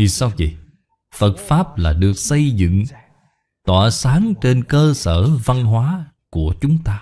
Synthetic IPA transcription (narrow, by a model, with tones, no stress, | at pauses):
i˨˩sa˧wzḭ˨˩ | fə˨˩t̚faː˦˥p̚laː˨˩ɗɨ˨˩ək̚sə˧jzɨ̰˧˨ŋ | t̪waː˧˩saː˨˦ŋt͡ʃe˧nkəː˧səː˧˩va˧nɦwaː˨˦ | ku˧˩ət͡ɕʊ˨˦ŋ͡mt̪aː˧